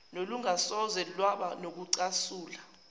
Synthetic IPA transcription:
noluŋasɔzɛlwaɓanok̬uǀasuːla

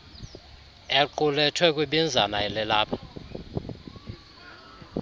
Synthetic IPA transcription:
eǃulɛtʰwɛk̬ʼwiɓind͡zʱanaɛlɛlaːpʰḁ

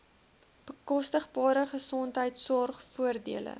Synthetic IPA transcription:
b̥əkɔstəχbɑːɾəχəsɔntɦəjtsɔrχfuərdḭələ̰

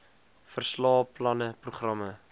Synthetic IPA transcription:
fərslɑːplɐnəpruχrɐmə

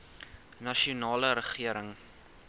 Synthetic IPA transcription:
nɐʃiunɑːləɾəχiəɾəŋ

